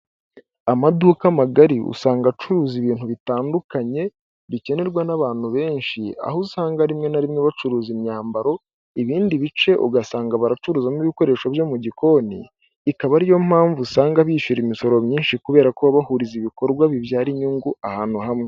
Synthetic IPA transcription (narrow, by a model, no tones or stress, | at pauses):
amaduːkamaɡaɾiṵsaːŋɡat͡ʃuɾuːziβiːn̥huβitaːndukaɲe̞ | βice̞ne̞ɾɡwanaβaːn̥huβe̞ːnʃia̰ɦosaːŋɡaɾimŋe̞naɾimŋeβat͡ʃuɾuːzimɲaːmbaɾo̞ | iβiːndiβit͡ʃe̞ʔo̰ɡasaːŋɡaβaɾat͡ʃuɾuːzamiβiko̞ɾe̞ːʃoβjo̞muɟiko̞nḭː | kaβaɾijo̞m̥haːɱvusaːŋɡaβiːʃuɾimiso̞ɾo̞mɲiːnʃikuβe̞ːɾakoβaβahuɾiziβiko̞ɾɡwaβiβjaːɾiɲuːŋɡuahaːn̥huhamŋe